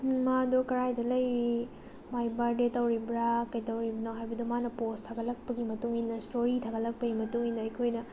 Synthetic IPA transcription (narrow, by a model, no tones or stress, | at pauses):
madokɐɾajdɐlɐjɾi | majbaɾdetɐwɾibɾakɐjtɐwɾibɐnoɦajbɐdumanɐpostʰɐɡɐlɐk̚pɐɡimɐtuŋinɐstoɾitʰɐɡɐlɐk̚pɐɡimɐtuŋinːɐɐjkʰojnɐ